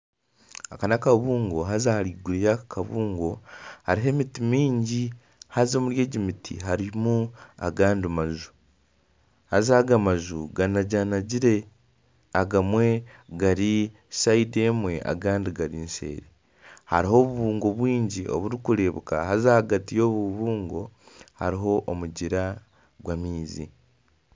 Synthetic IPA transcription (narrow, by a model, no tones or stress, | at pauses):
akanakaβuːŋɡoɦazahaɾiɡuɾijakʰaβuːŋɡo̞haɾiɦe̞mitimiːɲɟi | hazomuɾje̞ːɟimitʰḭɦaɾimua̰ɡaːndimazu | hazaːɡamazuɡanaɟanaɟiɾe̞ | aɡamwe̞ | ɡaɾi | saide̞mwe̞ʔa̰ɡaːndiɡaɾiːnse̞̰ːɾe | haɾiho̞ːβuβuːŋɡo̞βwiːɲɟiʔo̰βuɾikuɾe̞ːβuka̰hazahaɡatijo̞ːβuβuːŋɡo̞haɾiɦo̞ʔːmuɟiɾa | ɡwamiːzḭ